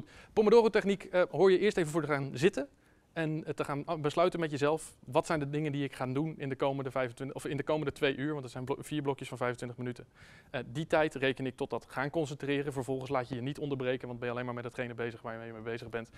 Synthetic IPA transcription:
tpomədoːrowtɛχnikəɦʊːɹjəʔɪːɹstejvəvʊːɹtəχaːnzɪtən | ɛntəχaːnbəslœɥtənmɛtjəzɛlˠfʋɑtsɛjndədɪŋəndiɪkχaːndunɪndəkowməndəvɛjvəntɪnɔfɪndəkowməndətʋejʔyːɹʋɑntəzɛjnv̥iːɹblɔkjəsfɑnvɛjvəntʋɪntəχmənytən | əditɛjtrejkənɪk̚tɔt̚dɑtχaːnkɔns̬əntrɪːrəvəɹvɔlˠχənslaːcjəjənitɔndəɹbrejkənʋɑntd̚bɛnjɑlejnmaːɹmɛtdɑtχejnəbejzəχʋaːɹjəmɛjəmejbejzəχbɛnt

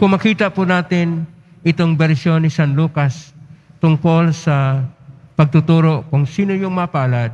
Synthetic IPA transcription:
kʊŋmːɐkiːt̪ɐpunaːt̪ɪn | ʔɪt̪o̞ŋbɛɾsjo̞nːɪsanluːkast̪ʊŋko̞lsɐ | pɐɡ̚t̪ʊt̪uːɾo̞ʔkʊŋsiːnojʊŋmɐɐpaːlad̪̚

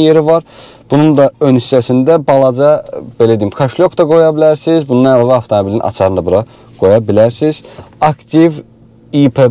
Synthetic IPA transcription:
je̞ɾivɑɾ | b̥unund̪ɑønist̪æsind̪æbɑlˠɑd͡ʒɑbe̞læd̪iimkʰɑʃlʲjokd̪ɑɡo̞jɑbilæɾsizbunːɑnælˠɑvæɑft̪ʰo̞mobilinʔɑ̰t͡ʃʰɑɾɯnɑbuɾɑ | ɡ̥o̞jɑbilæɾsiz̥ɑkt̪ʰiv | ipʰe

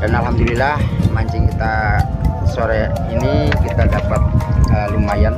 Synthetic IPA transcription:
danalɦamd̪ulilahmaɲt͡ʃɪŋkit̪a | soɾɛ | inikit̪adapat̪̚əlumajan

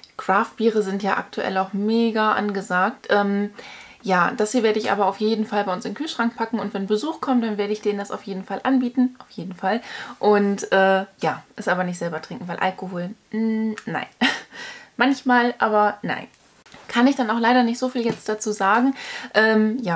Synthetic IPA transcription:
kʁ̥aːft̚b̥iːʁəzɪntjaːʔa̰ktʰuʔɛ̰laʊxmeːɡaʔa̰nɡəzaːk̚tʰʔɛːm | jaːd̥ashiɐveːɐɾəɪçʔa̰ːbɐaʊfjeːdn̩falbaɪʊnsɪnkʰyːlʃʁ̥aŋk̚pʰakŋ̩ʊntv̥ɛnbəzuːxkʰɔmt̚d̥anveːɐɾəɪçd̥eːnəndasa̰ʊfjeːdn̩falʔanbiːtn̩ʔaʊfjeːdn̩falʔʊntʔɛːjaːʔɛsʔaːbɐnɪçtz̥ɛlbɐtʁ̥ɪŋkŋ̩vaɪlʔa̰lkoɦoːl̩ | na̰ɪn | mançmaːlʔaːbɐna̰ɪn | kʰanɪçd̥anaʊxlaɪɾɐnɪçtz̥oːfiːljɛt͡std̥at͡suːzaːɡŋ̩ʔɛːmjaː

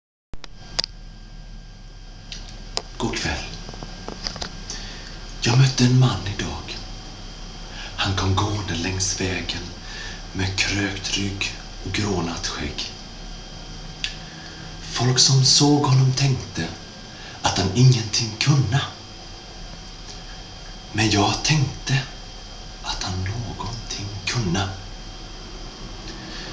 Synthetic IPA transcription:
ɡ̥ɔkʰvɛ̰lː | jɑːɡmœt̪ːəɛnmanːɪd̪ɑːɡ | hankʰɔmːɡoːənd̪əlɛŋsvɛːɡən | meːkʰɾøːkt̪ɾʏɡ | ɔɡɾoːnat̪ɧɛ̰ɡ | fɔlksɔmsoːɡhɔnːɔmt̪ʰɛŋkt̪ə | ʔat̪hanɪŋːənt̪ʰɪŋːkʰɵnːə | mɛnjɑːɡt̪ʰɛŋkt̪ə | ʔat̪hanːoːɡɔnt̪ʰɪŋːkʰɵnːə

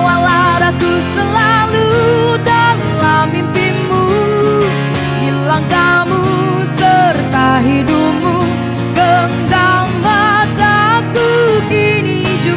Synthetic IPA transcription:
walaɾakusəlaludanlamimpinmu | dilaŋkamu | sərt̪aɦidumu | kəŋɡaŋbasakukini | d͡ʒu

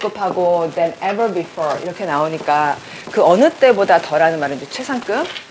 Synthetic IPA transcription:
kɯpʰaɡodɛ̃nɛvə˞bifɔɹḭɾʌkʰe̞naoɲik͈a | kɯʌnɯt͈e̞bodatʌɾanɯnmaɾɯnd͡ʑet͡ɕʰwe̞sʰaŋk͈ɯm

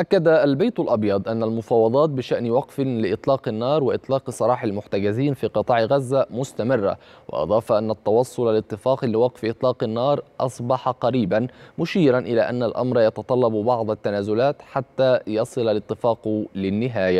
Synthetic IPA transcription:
ʔakːad̪aːlbajt̪alʔɑbjɑd̪ˤʔanːalmʊfɑːwɑd̪ˤɑːt̪̚bɪʃaʔnwɑqfɪlɪʔɪt̪ˤlɑːqɪnːɑːɾˤwɪʔɪt̪ˤlɑːqsˤɑɾˤɑːħalmʊħt̪aɡaziːnfiːqɨt̪ˤɑːʕɣazːamʊst̪amɪrːa̰wɪ̰ʔɑ̰d̪ˤɑːfɑʔanːat̪ːɑwɑsˤːʊlalɪt̪ˤːɨfɑːqlɪwɑqfʔɨt̪ˤlɑːqɪnːɑːɾˤʔɑsˤbɑħɑqɑɾiːbanmʊʃiːɾanʔɪlaːʔanːalʔɑ̰mɾˤɑjɑt̪ɑt̪ˤɑlːɑbbɑʕd̪ˤɑt̪ːanaːzʊlaːt̪ħat̪ːaːjɑsˤɨlalɪt̪ːɪfɑːqlɪnːɪɦaːja

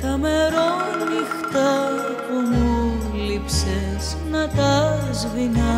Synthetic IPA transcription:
t̪ɐme̞ɾonixt̪ɐ | pumu | lipse | z | nɐt̪ɐzvinɐ

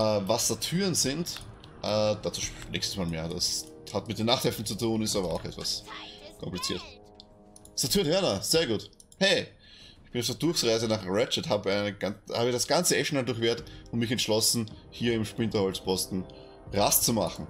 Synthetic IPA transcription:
ʔɛːvasd̥atʰyːʁənzɪnt | ʔɛːd̥at͡suːnʔɛ̰çstə̥smaːlmḛːɐda̰shatmɪt̚d̥eːnaχthɛftn̩t͡sutʰuːnɪstaːbɐaʊxɛtva̰skʰɔmplit͡sḭːɐt | sɐtʰyːɐnhønaz̥eːɐɡuːt | hɛɪ | ɪçb̥ɪnafd̥əɐd̥ʊɐçsʁaɪzənaχʁɛt͡ʃəthaːbəaɪnəɡanhaːbɪdasɡ̥ant͡səɛʃn̩andʊɐçv̥eːɐtʊntmɪçɛntʃlɔsn̩ | hiːɐɪmʃpʁ̥ɪntɐhɔlspʰɔstn̩ | ʁast͡suma̰χn̩

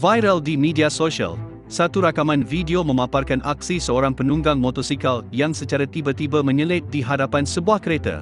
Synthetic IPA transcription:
vajɾəldimĩdiasoʃiə̰l | sat̪uɾakamãnvidiomə̃mãparkanʔak̚sisəoɾaŋpənũŋɡaŋmot̪ɔsikaljãŋsət͡ʃaɾat̪ibət̪ibəmə̃ɲə̃lɪt̪̚diɦadapansəbuahkəɾet̪a̰

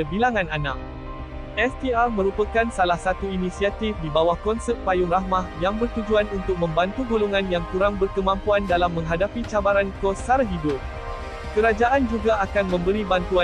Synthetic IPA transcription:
əbilaŋãnanak̚ | ʔɛst̪iarmə̃ɾupakansalahsat̪uinĩsiat̪ifdibawahkɔnsɛt̪̚pajʊŋrahmahjaŋbərt̪ud͡ʒuanunt̪ʊk̚mə̃mbant̪uɡoloŋãnjaŋkuɾaŋbərkəmãmpuandalamːə̃ŋɦadapit͡ʃabaɾankosaɾɦidʊp̚ | kəɾad͡ʒaʔand͡ʒuɡaakanmə̃mbəɾibant̪ua

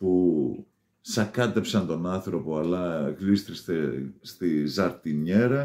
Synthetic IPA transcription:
pu | sɐkɐt̪e̞psɐnt̪o̞nɐnθɾo̞po̞ɐlɐɣlist̪ɾisest̪izɐɾt̪iɲeɾɐ

